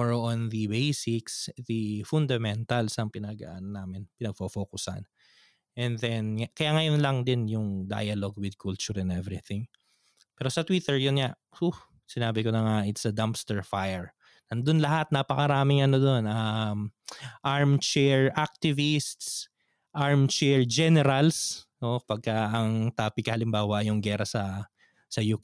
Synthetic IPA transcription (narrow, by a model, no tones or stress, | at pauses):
oɹoʔonðɐbejsɪksd̪ifʊnd̪ɐmɛnt̪ɐlsɐŋpɪnɐɡa̰ʔnɐnaːmɪnpɪnɐɡ̚fofoːkʊsɐ̰n | ʔɛnðɛnkɐjaŋɐjonlɐŋd̪ɪnjʊŋd̪a̰jɐloɡ̚wɪd̪̚kʰult͡ʃʊɹɛnɛvɾɪθɪ̃ŋ | pɛɾosɐt̪wit̪ɛɹjʊnŋa | uh | sɪnaːbɪkonɐŋaʔɪt̪sɐd̪ampst̪ɛɹfajɛɹ | nɐnd̪onlɐɦat̪̚napɐkɐɾaːmɪŋʔɐnod̪o̞nɐmʔaɹmt͡ʃɛɹʔak̚t̪ɪvɪst̪s | ʔaɹmt͡ʃɛɹd͡ʒɛnɛɾɐlsʔopɐɡ̚kaɐŋt̪aːpɪkːɐhɐlɪmbaːwɐʔjʊŋɡɛɾɐsɐ | sɐjuk